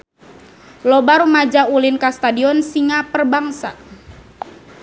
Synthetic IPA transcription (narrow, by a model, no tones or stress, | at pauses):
lɔbaɾumad͡ʒaulinkast̪adiɔnsiŋapərbaŋsa̰